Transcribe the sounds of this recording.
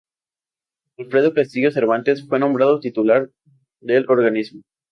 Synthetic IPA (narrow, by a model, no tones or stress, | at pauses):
alfɾe̞ð̞opest̪iɣjose̞ɾβant̪e̞sfwe̞nõ̞mbɾaðot̪it̪ulaɾ | ðelo̞ɾɣanizmo